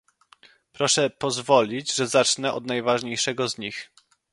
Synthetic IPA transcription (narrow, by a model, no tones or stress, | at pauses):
pɾɔʂɛpɔzvɔlʲid͡ʑʐɛzat͡ʂnɛʔɔ̰d̪najvaʐɲejʂɛɡɔzɲix